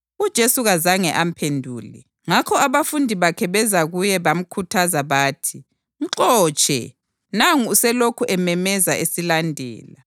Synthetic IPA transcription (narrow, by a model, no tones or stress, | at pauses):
ud̥ʒ̥ʱesuɣazaŋɛʔam̩pʰendʱṵːlɛ̰ | ŋakʰɔaβafundʱiβakʰɛβɛzaɣujɛβam̩kʰutʰazaβaːtʰi | ǃɔːt͡ʃʼɛ̰ | naŋuusɛlokʰuʔɛmɛmɛzaʔesilandʱɛ̰ːla̰